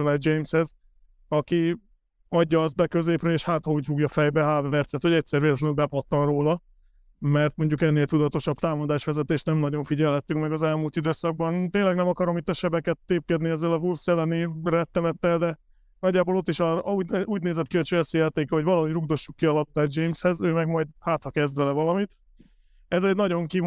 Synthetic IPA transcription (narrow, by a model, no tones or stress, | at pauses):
vad͡ʒejmshɛz | ɒki | ɒɟːɒɒzt̪̚bɛkø̞zeːprøeːʃhaːt̪hɒuːɟfuɡjɒfɛjbɛɦaːɾvɛrt̪sɛt̪ho̞ɟɛc̚ʲsɛrveːlɛt̪lɛnylbɛpɒt̪ːɒnroːlɒ | mɛrt̪mo̞ɲɟukɛnːeːlt̪ud̪ɒt̪o̞ʃɒbt̪aːmod̪aːʃʋɛzɛt̪eːʃt̪nɛmnɒɟo̞ɱfiɟɛlɦɛt̪ːyŋkmɛɡɒzɛlmult̪id̪øːsɒɡ̚bɒnt̪eːnlɛɡnɛmɒkɒɾo̞mit̪ːɛʃɛbɛkɛt̪ːeːp̚kɛd̪niɛzɛlɒvulfsɛlːɛnirɛt̪ːɛmɛt̪ːɛld̪ɛ | nɒɟːaːboːlo̞t̪ːiʃɒuːuːɟ̚neːzɛt̪̚kiocʃøɛsijɛt̪eːkɛɦo̞ɟvɒlɒɦo̞ɟruɡ̚d̪o̞ʃːukːiɒlɒp̚t̪ad͡ʒejmshɛzøːmɛɡmɒjd̪haːt̪rɒkɛzd̪vɛlɛvɒlɒmit̪ | ɛzɛɟnɒɟo̞ŋki